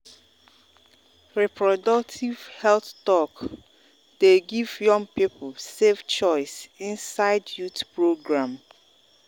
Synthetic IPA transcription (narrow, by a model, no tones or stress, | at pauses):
ɹɛpʰɹɔdɔk̚tʰiv̥hɛlθɔk | d̥eɡivjɔ̃ŋpipʰl̩sevt͡ʃɔɪsĩnsaɪdjutpɹoɡɹãm